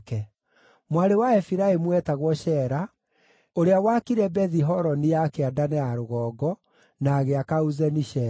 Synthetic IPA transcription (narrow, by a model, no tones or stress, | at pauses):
kɛ | mwaɾewaɛfiɾaemwɛtaɣwɔɕɛɾa | oɾeawakiɾɛbɛðiɦɔɾɔnijakeadanɛaɾoɣɔːɡɔ | naːɣeakauzɛniʃɛ